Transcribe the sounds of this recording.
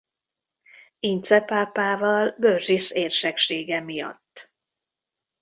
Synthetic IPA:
int̪sɛpaːpaːvɒlbørʒiseːrʃɛkʃeːɡɛmijɒ̰t̪ː

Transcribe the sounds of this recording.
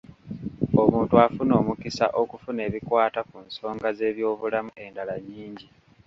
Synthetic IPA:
o̞muːntuafuno̞ːmukisa̰ʔo̞kufune̞ːβikwaːtakunso̞ːŋɡaze̞ːβjo̞ːβulamuʔe̞ndalaɲːiːɲɟi

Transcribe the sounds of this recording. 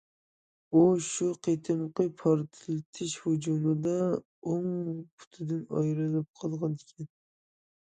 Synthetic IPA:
uʃuqʰet̪ʰɨmqɨpʰɑɾt̪ʰɪlt̪ʰɪʃhʊd͡ʒumɨd̪a | oŋpʰʊ̥t̪ʰɪd̪ɪnɑ̰jɾɨlɪp̚qʰəlˠʁɑnd̪ɪkʲʰɛn

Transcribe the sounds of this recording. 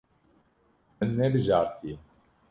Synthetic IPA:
mɨnːɛbɨʒaːɾt̪ʰi

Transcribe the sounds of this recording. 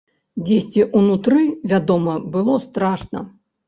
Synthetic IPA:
d͡zʲesʲt͡sʲiʔunut̪ɾɨvʲad̪ɔmɐbɨlˠɔst̪ɾaʂnɐ̰

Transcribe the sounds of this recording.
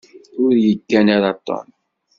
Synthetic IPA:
ʊɾjəɡːænaɾɑt̪ˤːɔ̰n

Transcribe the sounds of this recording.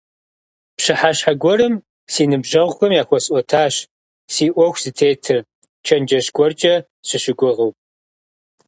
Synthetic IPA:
pɕɨħaɕħaɡʷɔɾɨm | siːnɨbʒɐʁʷxʷɐmjaːxʷɔsʼʔʷɔtʰaːɕ | siːʔʷɔxʷz̥ɨtʰeːtʰɨr | t͡ʃʰɐnd͡ʒɐɕɡʷɔrt͡ʃʼɐ | ɕɨɕɪɡʷʊʁɐw

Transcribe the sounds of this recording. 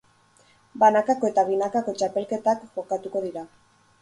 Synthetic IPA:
banakako̞e̞t̪aβ̞inakako̞t͡ʃape̞lke̞t̪akɡo̞kat̪uko̞ðiɾa

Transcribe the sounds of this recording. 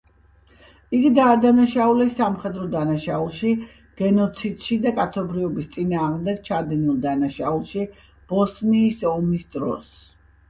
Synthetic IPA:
iɡid̪aːd̪anaʃaulɛsːamχɛd̪ɾɔd̪anaʃaulˠʃi | ɡ̥ɛnɔt̪sʰid̪ʃid̪akʼat̪sʰɔbɾiɔbist̪sʼinaːʁmd̪ɛɡ̚t͡ʃʰad̪ɛnilˠd̪anaʃaulˠʃi | b̥ɔsniːsɔmisd̪ɾɔ̰s

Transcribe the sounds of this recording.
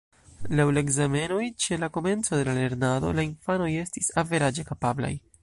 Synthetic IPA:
lawlaeɡzame̞no̞jt͡ʃe̞lako̞me̞nt͡so̞de̞lale̞ɾnado̞̰lainfano̞je̞stisave̞ɾad͡ʒe̞kapabla̰j

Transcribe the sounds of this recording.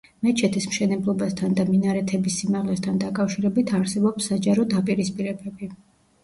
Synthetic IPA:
mɛt͡ʃʰɛt̪ʰismʃɛnɛblˠɔbast̪ʰand̪aminaɾɛt̪ʰɛbisːimaʁlɛst̪ʰand̪akʼafʃiɾɛbit̪ʰaɾsɛbɔpsːad͡ʒaɾɔd̪apʼiɾispʼiɾɛbɛbi

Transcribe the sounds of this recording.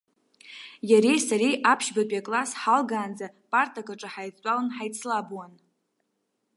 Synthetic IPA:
jaɾejsaɾijʔapʰʃbapʼiakʼlasħalɡaːnd͡zapʼartʰʼakʷʼaʈ͡ʂʼaħajt͡sʷʼalɨnħajt͡sʰlabwan

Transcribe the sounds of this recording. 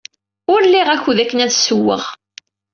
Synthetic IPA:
ʊɾlːiʁæçuðækːənæðsəwːə̰ʁ

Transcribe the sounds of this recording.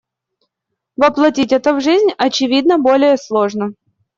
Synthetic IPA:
vəplˠɐtʲitʲɛt̪əvʐɨzʲnʲɐt͡ɕɪvʲid̪nəbo̞lʲɪjəslˠo̞ʐnə

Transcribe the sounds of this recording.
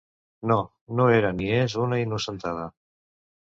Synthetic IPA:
no | noeɾaniezunainusənt̪aðə

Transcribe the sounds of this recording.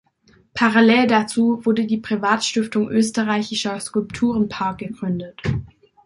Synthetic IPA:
pʰaʁalɛːldat͡suːvʊɐdədiːpʁ̥ivaːtʃtɪftʊŋʔøːstəʁaɪçɪʃɐskʊlptʰuːʁənpʰaɐk̚ɡ̥əɡʁʏndət

